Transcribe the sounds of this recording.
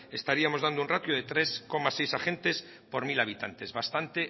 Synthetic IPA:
e̞st̪aɾiamozðand̪ounrat̪joð̞e̞t̪ɾe̞sko̞masejsaχe̞nt̪e̞s | po̞ɾmilaβ̞it̪ant̪e̞zβast̪ant̪e

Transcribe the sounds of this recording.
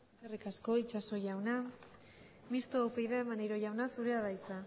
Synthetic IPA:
eskerikasko̞it͡ʃaso̞ʝawna | mist̪oawpejðaemanejɾo̞ʝawnasuɾeaðajt͡sa

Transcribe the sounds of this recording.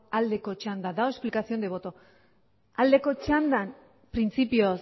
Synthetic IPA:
ald̪e̞ko̞t͡ʃand̪ad̪aoe̞splikasio̞nd̪e̞βo̞t̪o | ald̪e̞ko̞t͡ʃand̪an | pɾint͡sipios

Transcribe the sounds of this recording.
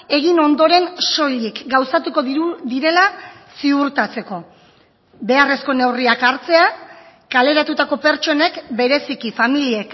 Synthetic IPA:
e̞ɣ̞ino̞nd̪o̞ɾe̞nso̞ʎikɡawsat̪uko̞d̪iɾe̞lasiuɾt̪at͡se̞ko̞ | be̞are̞sko̞ne̞wriakaɾt͡se̞a | kale̞ɾat̪ut̪ako̞pe̞ɾt͡ʃo̞ne̞kbe̞ɾe̞sikifamiliek

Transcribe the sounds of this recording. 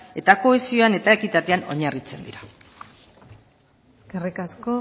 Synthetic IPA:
e̞t̪ako̞esio̞ane̞t̪ae̞kit̪at̪eano̞̰ɲarit͡se̞nd̪iɾa | eskerikasko

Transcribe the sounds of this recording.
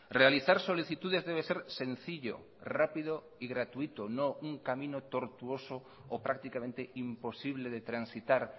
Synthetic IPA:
realiθaɾsoliθit̪uðezðeβ̞eseɾsẽn̟θiʎo̰ | rapiðo | iɣɾat̪uit̪onõuŋkamĩnot̪oɾt̪uoso | opɾak̚t̪ikamẽnt̪eimposiβleðet̪ɾansit̪aɾ

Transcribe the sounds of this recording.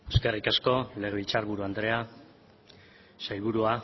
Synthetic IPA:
e̞ske̞rikasko̞le̞ɣeβilt͡saɾβuɾuand̪ɾe̞a | sajβ̞uɾua

